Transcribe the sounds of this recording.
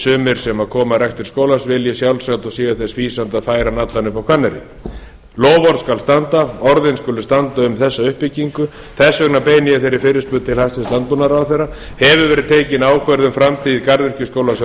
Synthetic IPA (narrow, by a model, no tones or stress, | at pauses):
sʏːmɪɾ̥sɛmaðkʰɔːmarɛkst̪ɪɾ̥skoːwlasvɪljɛsjawlsawt̪ɔsiːɣaθɛsviːsant̪aðfaːjɾanat̪lanʏpawkʰvanːɛɾɪ̰ | lɔːwvɔɾðskalst̪ant̪aɔɾðɪnskʏlʏst̪ant̪aʏmθɛsːaʏhpːɪcːiŋkʏ | θɛsːœknapeːjnɪɪθejɾɪɾfɪɾɪspʏːðt̪ʰɪlhast̪ɪst̪ant̪unaɾaːwθɛjrːa | hɛvʏvɛːɾɪðt̪ʰeːjcɪnaːwkʰvɛɾðʏmfɾamt̪ʰiːðɪkaɾðɪr̥cʏskowlasɛ